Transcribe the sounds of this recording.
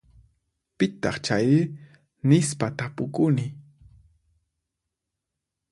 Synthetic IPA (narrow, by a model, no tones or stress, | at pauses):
pɪt̪ɑ̰χt͡ʃaj | nɪspat̪apʊkʊnɪ